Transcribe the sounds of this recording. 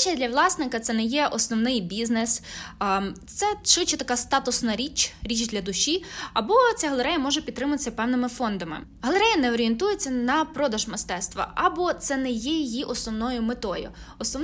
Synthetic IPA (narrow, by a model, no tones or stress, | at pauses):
t͡ʃɛd̪ʲlʲɐʋlˠɑsnɪkɐt̪sɛnɛjɛʔɔsnɔʋnɪjbʲiznes | t̪sɛʃʋɪt͡ʃɛt̪ɐkɑst̪ɑt̪ʊsnɐɾʲit͡ʃɾʲit͡ʃd̪lʲɐd̪ʊʃiɐbɔt͡sʲaɦɐlˠeɾɛjɐmɔʒɛpʲid̪t̪ːɾɪmʊt̪ɪ̥sʲːɐpɛwnɪmɪfɔnd̪ɐmɪ̰ | ɦɐlˠeɾɛjɐnɛɔɾʲient̪ujet͡sʲːɐnɐpɾɔd̪ɐʒmɪst̪ɛst̪ʋɐ̰ɐbɔt̪sɛnɛjɛjijiʔɔsnɔwnɔjʊmet̪ɔjʊ̰ɔsnɔ